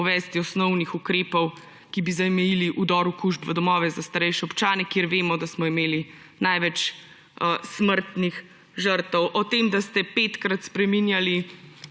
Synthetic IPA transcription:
ɔʋɛːst̪iɔsnɔwnixukɾeːpɔw | kibizamɛjiliʔud̪ɔːɾukuʒbʋəd̪ɔmɔːʋɛzast̪aɾɛjʃɛɔpt͡ʃaːnɛkjeɾʋeːmɔd̪asmɔimeːli | najʋɛt͡ʃː | sməɾt̪nix | ʒəɾt̪ɔwʔɔt̪eːmd̪ast̪ɛpet̪kɾat̪spɾɛminjali

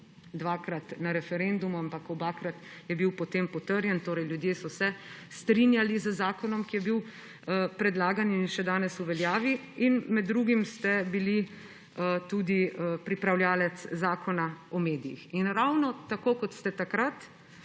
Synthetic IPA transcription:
d̪ʋakɾat̪naɾɛfɛɾend̪umuampakɔbakɾat̪jɛbiwpɔt̪empɔt̪əɾjɛnt̪oːɾɛjljud̪jeːsɔsɛ | st̪ɾinjalizəzaːkɔnɔmkijɛbiw | əpɾɛd̪laːɡaninʃɛd̪aːnɛsuʋɛljaːʋi | inmɛd̪ːɾuɡimst̪ɛbili | ət̪ud̪iəpɾipɾawljaːlɛt̪szaːkʰɔnaɔmeːd̪ijḭxinɾawnɔt̪akoːkɔt̪st̪ɛt̪akɾat̪

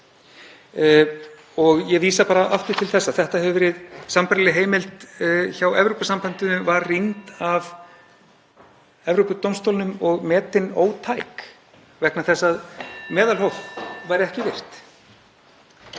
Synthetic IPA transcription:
ɔɣjɛviːsapaːɾaʔaft̪ɪ̥t̪ʰɪlθɛsːaθɛht̪ahɛvʏvɛːɾɪðsampaɾlɪɦeːjmɪlt̪çawɛvɾowpasampant̪ʏnʏvaɾrint̪av | ɛvɾowpʏt̪owmst̪owlnʏmɔɣmɛːt̪ɪno̰ːwt̪ʰaːjk | vɛknaθɛsːaðmɛːðalɦowvvajɾɪɛhcɪvɪr̥t̪

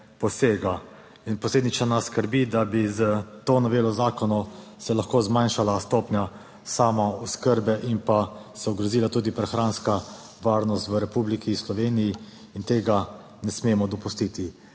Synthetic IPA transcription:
pɔseːɡa | inpɔsleːd̪nit͡ʃnanasskəɾbid̪abizət̪oːnɔʋeːlɔzaːkɔnɔsɛlaxkoːzmajnʃalast̪oːpnʲja | saːmauskəɾbɛʔimpasɛɔɡɾɔziːlat̪uːd̪ipɾɛxɾaːnska | ʋaːɾnɔst̪ʋəɾɛpublikislɔʋeːnijiː | nt̪eːɡa | nɛsmeːmɔd̪ɔpust̪it̪i

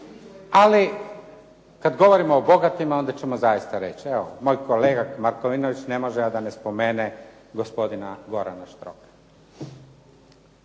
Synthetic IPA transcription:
ali | kad̪ɡo̞ʋo̞ɾimoːbo̞ɡat̪imao̞nd̪at͡ɕe̞mozajist̪aɾe̞t͡ɕieʋomo̞ːjkʰoleːɡamaɾkoʋinoʋit͡ɕne̞mo̞ʒɛjad̪ane̞spo̞me̞ːne | ɡo̞spo̞d̪inaɡo̞ɾa̰naʃt̪ɾo̞̰kḁ

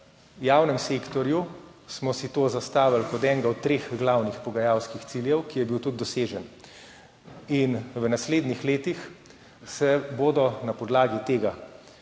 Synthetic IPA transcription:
jaːwnɛmseːkt̪ɔɾju | smɔsit̪oːzast̪aːʋalkɔt̪ɛːŋɡaɔt̪̚t̪ːɾeːxɡlawnixpɔɡajawskixt̪siljɛwkijɛbiwt̪ud̪̚d̪ɔseːʒɛn | inwənasleːd̪nixleːt̪ix | sɛboːd̪ɔnapɔd̪laːɡit̪eːɡa

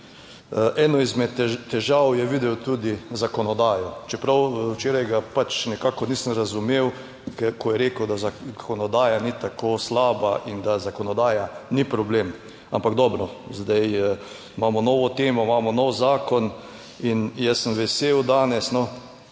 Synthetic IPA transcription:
ʔɛnɔizmɛt̪t̪ːɛʒawjɛʋid̪ɛwt̪uːd̪izakɔnɔd̪aːjɔt͡ʃɛpɾawwt͡ʃeːɾajɡapat͡ʃnɛkaːkɔniːsəmɾazumew | kɛkɔjɛɾeːkəwd̪azakʰɔnɔd̪aːjanit̪akʰoːslaːbaʔind̪azakonɔd̪aːjanipɾɔbleːm | ampaɡd̪ɔːbɾɔzd̪aj | maːmɔnɔːʋɔt̪eːmɔmaːmɔnɔwzaːkɔn | injɛsəmʋɛseːwd̪aːnɛsnɔ

